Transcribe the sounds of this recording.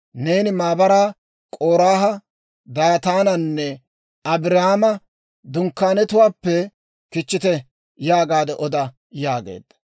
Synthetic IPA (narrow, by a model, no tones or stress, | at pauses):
ne̞ːnɪmaːbɐɾaː | kʼoːɾaːɦɐ | d̪aːt̪aːnɐnːɛ | ɐbɪɾɐhaːmɐ | d̪ʊŋkːaːnɛt̪ʊwaːpːɛ | kɪt͡ʃːɪt̪ɛ | jaːɡaːd̪ɛʔɔd̪ɐ | jaːɡḛːd̪ːɐ̥